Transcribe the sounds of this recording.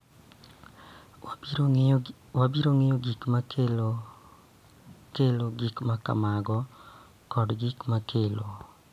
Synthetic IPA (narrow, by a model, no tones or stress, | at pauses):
wabiɾoŋejoɡikmak | keloɡikmaka̰maɡɔ | kɔɖɡikmakʰelo